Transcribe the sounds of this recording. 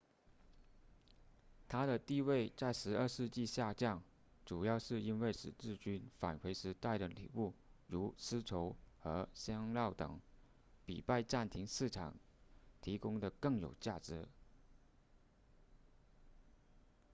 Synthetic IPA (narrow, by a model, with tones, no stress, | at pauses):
t̪ʰa˥ɾə˨t̪i˥˧we˥˧ɪt͡sa˥˩ɪʂɻ̩˧˥ə˞˥˧ʂɻ̩˥˧t͡ɕi˥˧ɕja˥˧t͡ɕjɑ˥˩ŋ | ʈ͡ʂu˨˩jɑ˥˧ʊʂɻ̩˥˩i˥nwe˥˩ɪʂɻ̩˨˩ʈ͡ʂɻ̩˥˩t͡ɕy˥nfa̰˨˩nkʰwe˧˥ɪʂɻ̩˧˥t̪a˥˩ɪɾə˩lḭ˨˩u˥˩ɻu˧˥sɹ̩˥ʈ͡ʂʰo˧˥ʊxɤ˧˥ɕjɑ˥ŋljɑ˥˩ʊt̪ɤ̰˨˩˦ŋ | pḭ˨˩pa˥˧ɪʈ͡ʂa˥˩nt̪ʰi˧˥ŋʂɻ̩˥˩ʈ͡ʂʰɑ̰˨˩˦ŋ | t̪ʰi˧˥kʊ˥ŋd̪ə˨kɤ˥˩ŋjo̰˨˩ʊt͡ɕja˥˩ʈ͡ʂɻ̩˧˥